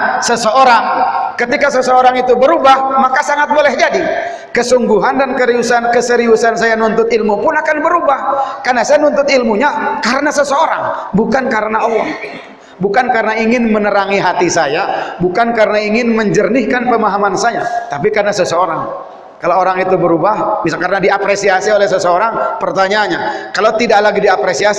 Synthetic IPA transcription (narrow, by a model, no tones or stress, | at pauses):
səsəoɾaŋkət̪ikasəsəoɾaŋit̪ubəɾubahmakasaŋat̪̚bolɛhd͡ʒadi | kəsuŋɡuɦandankəɾiusankəsəɾiusansajanunt̪ʊt̪ilmupʊnakanbəɾubahkarnasajanunt̪ʊt̪ilmuɲakaɾənasəsəoɾa̰ŋbukankaɾənaalaŋ | bukankaɾənaiŋɪnmənəɾaŋiɦat̪isajabukankaɾənaiŋɪnməɲd͡ʒərnɪhkanpəmaɦamansajat̪apikarnasəsəoɾaŋ | kalooɾaŋit̪ubəɾubahmisakaɾənadiapɾesiasiolɛhsəsəoɾaŋpərt̪aɲaɲakalawt̪idaʔlaɡidiapɾesia